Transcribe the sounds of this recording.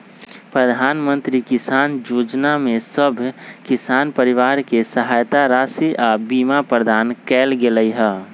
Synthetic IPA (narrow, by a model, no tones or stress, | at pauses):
pɾəd̪ʱaːnmə̃nt̪ɾikisaːnd͡ʒod͡ʒnamẽsəbʱkisaːnpəɾiʋaɾkesəɦajt̪aɾaːsiʔabimapɾəd̪ʱaːnkɛːlɡeləjɦɛ